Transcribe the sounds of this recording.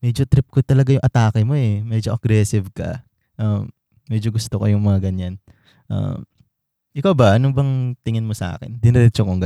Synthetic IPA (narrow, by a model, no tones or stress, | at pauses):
mɛːd͡ʒot̪ɾɪp̚kot̪ɐlɐɡajʊŋʔɐt̪aːkɛmo̞ʔɛmɛd͡ʒoʔɐɡɾɛsɪvkɐ̰ | ʔamː | ɛd͡ʒoɡʊst̪okojʊŋmɐŋaɡɐɲːan | ʔa̰m | ʔɪkawbɐʔɐnobɐŋt̪ɪŋɪnmosɐʔa̰ːkɪ̰nd̪ɪnɪɾɛt͡ʃokoŋɡ